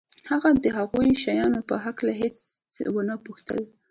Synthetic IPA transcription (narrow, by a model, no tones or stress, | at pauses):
haɣad̪əɦaɣujʃajɑnopəɦaklaɦet͡s | wənapuxt̪ə̰l